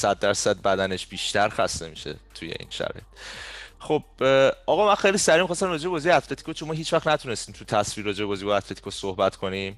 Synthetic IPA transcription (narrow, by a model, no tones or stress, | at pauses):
sæd̪̚ːæɾsæd̪̚bæd̪æne̞ʃb̥iːʃt̪ʰæɾxæ̰st̪e̞miʃḛt̪ʰujḛʔḭːnʃæ̰ɾɒ̰ːjet̪χo̞b̥̚ʔɒɣɒmænxejlisæɾimixɒst̪æmɾrɒːd͡ʒeɒːzijeæt̪ʰlet̪ʰi̥kʰot͡ʃʰonmɒːɦiːt͡ʃʰvæχnæt̪ʰune̞st̪iːmt̪ʰut̪ʰæsviːɾːɒːd͡ʒeebɒːziboæt̪ʰle̞t̪ʰi̥kʰosohbæt̪ʰkʰo̞nim